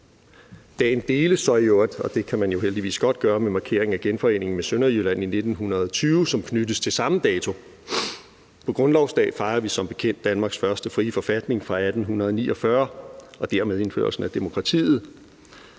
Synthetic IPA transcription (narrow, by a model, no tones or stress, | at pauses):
d̥ɛ̰ːnd̥e̝ːləsɒ̽ɪjoɐd̥ɒ̽d̥e̝kʰæmænjo̝ɦeld̥iʋḭːsɡ̥ɒ̽d̥̚ɡ̥ɶːɐmemɑ̈kʰe̝ɐ̰e̝ŋæɡ̥enfɒ̽e̝̰ːne̝ŋn̩mesønɐjylæn̰ine̝d̥n̩ɦunɐð̞̩ˠɒt͡sʰyːʊsɒ̽mkʰnydəst͡sʰe̝lsɑ̈məd̥ɛːt͡sʰo̝ | pʰɒ̽ɡ̥ʁɔ̽nlɒʊsd̥ɛ̰ːfɑ̈ɪɐʋisɒ̽mb̥e̝̥kʰen̰d̥ænmɑ̈ːɡ̥sfɶɐsd̥əfʁiːfɒ̽fæd̥ne̝ŋfʁɑ̈æd̥n̩ɦunɐðˠnḭːʔɒ̽fɶɐʔɒ̽d̥æɐmeð̞ˠe̝nfø̰ːɐ̰lsn̩æd̥e̝mo̝kʰʁɑ̈t͡sʰḭːð̞̩ˠ